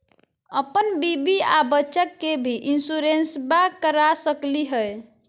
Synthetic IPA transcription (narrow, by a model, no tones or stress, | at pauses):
əpənbibiabətːʃəkːebʱiʔinsuɾensbakəɾasəkliɦəj